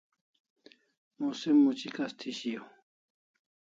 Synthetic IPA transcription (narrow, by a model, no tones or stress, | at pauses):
musimːut͡ɕikɐst̪ʰiɕijo